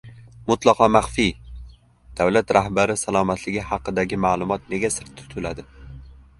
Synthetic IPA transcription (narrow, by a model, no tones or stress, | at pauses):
mʊt̪lˠɒqɒmaχfij | d̪̥awlat̪ɾʔahbaɾɪsalˠɒmat̪ʰlɪɡʲɪhɑqɨd̪aɡʲɪmaːlˠʊmɒt̪ne̞ɡʲasɪɾt̪ʰːʊ̥t̪ʰʊlad̪ɪ